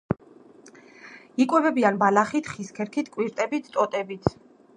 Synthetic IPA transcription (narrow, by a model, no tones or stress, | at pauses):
ikʼwɛvɛbianbalaχit̪ʰχiskʰɛɾkʰit̪ʰkʼwiɾt̪ʼɛbit̪ʰt̪ʼɔt̪ʼɛbit̪ʰ